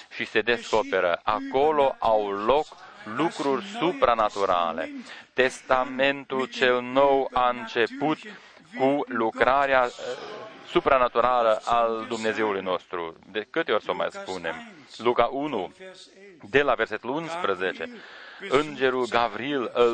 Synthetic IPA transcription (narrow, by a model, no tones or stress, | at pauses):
ʃise̞d̪e̞sko̞pe̞ɾə̰ʔako̞lo̞ʔawlo̞klukɾurʲsupɾanat̪uɾa̰le̞̰t̪e̞st̪ame̞nt̪ult͡ʃe̞lno̞waɨnt͡ʃe̞put̪ | kulukɾaɾea | supɾanat̪uɾaləʔald̪umne̞ze̞ulujno̞st̪ɾṵd̪ekɨt̪eo̞rʲsoma̰jspune̞m | lukaʔunu | d̪e̞lave̞rse̞t̪ulunspɾəzet͡ʃe̞ɨnd͡ʒe̞ɾulɡavɾielə